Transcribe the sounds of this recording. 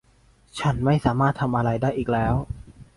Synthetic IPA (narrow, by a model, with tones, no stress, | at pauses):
t͡ɕʰa˦˥nma˥˩jsaː˩˦maː˥˩t̪ʰːa˧mʔa˧ɾa˧jdaː˥˩jʔiː˨˩k̚lɛː˦˥w